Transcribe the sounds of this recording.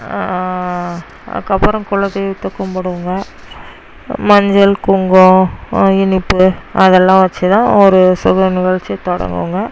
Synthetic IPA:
kɐpːɐɾɐ̃mkʊlɐðɐt̪ːɔkːɐmpɐɽɯʋɯŋɡɐ | mɐɲd͡ʒɐlkʊŋɡõɪnɪpːɯɐðɛlːãːʋɐt͡ʃːɯt̪ãːɔɾɯsʊɣɐnɪɣɐɭt͡ʃɪjɐt̪ɔɽɐ̰ŋɡɯ̰ʋɯŋɡɐ

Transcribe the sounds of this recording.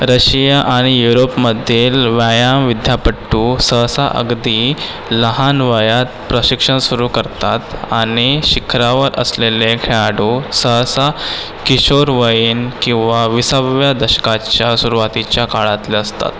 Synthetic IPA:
ɾəɕijaʔaɽ̃ijuɾopməd̪ʱelʋajamʋid̪ʱjapəʈːusəɦsaʔə̰ɡd̪i | ləɦanʋəjat̪̚pɾəɕikʂənsuɾuːkəɾt̪at̪aɽ̃iɕikʰɾaʋəɾə̰sleleɡʰaɽusəɦsa | kiɕoɾʋəjiːnkĩw̃ʋaʋisaʋjad̪əɕə̥kat͡ɕjasuɾuʋat̪it͡ɕjakaɭat̪leəst̪a̰t̪

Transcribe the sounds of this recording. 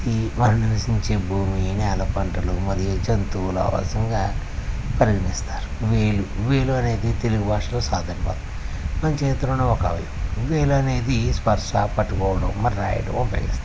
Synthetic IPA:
imɐɾɐnilɐsiɲt͡ʃeːbʱuːminɛːlɐpɐɳʈɐlumɐɾijɐt͡ʃɐnt̪uːla̰ːʋɐ̰sɐŋɡaː | pɐɾiɡɐnist̪aːɾuʋeːluʋeːluɐne̞ːd̪it̪eluɡubʱaːʂɐloːsaːd̪ʱɐnɐpɐ̰t̪ɐ | mɐɲt͡ʃeːt̪ɾɐnuɔkɐ̰ʋɐ̰jɐmʋeːluɐne̞ːd̪ispɐɾʂaːpɐʈːukɔːʋɐɽɐmːɐɾiɾa̰ːjɐ̰ʈuompḛɡḭst̪a

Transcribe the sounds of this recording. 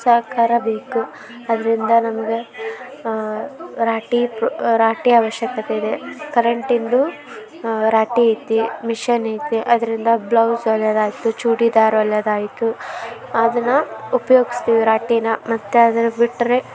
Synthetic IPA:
sɐɦɐkʰaːɾɐbeːku | ɐd̪ɐɾind̪ɐnɐmɐɡe | ɾaːʈipɾaːʈiaːʋɐʃjɐkɐt̪eid̪e̞kɐɾɐɳʈind̪u | ɾaːʈiɐjt̪ːimiʃɐnɐjt̪iʔɐd̪ɐɾind̪ɐblɐwsɐljɐd̪aːjit̪ut͡ʃuːɽid̪aːɾɐljɐd̪aːjit̪uɐd̪ɐnːɐupɐjo̞ːɡist̪iːʋiɾaːʈinɐmɐt̪ːead̪ɐɾebiʈːɐɾe

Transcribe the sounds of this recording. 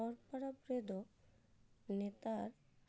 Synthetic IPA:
ɔɾpaɾabɾed̪o | net̪aɾ

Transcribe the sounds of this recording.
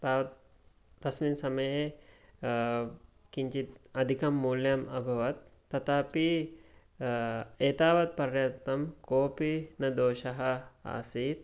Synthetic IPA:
t̪aːʋɐt̪ː | ɐsmiːnsɐmɐje | kiɲt͡ɕit̪ɐd̪ʱikɐmːuːljɐmɐbʱɐʋɐt̪ːɐt̪api | eːt̪aːʋɐt̪̚pɐɾjɐt̪ːɐmkoːpinɐd̪oːɕɐɦɐa̰ːsiːt̪

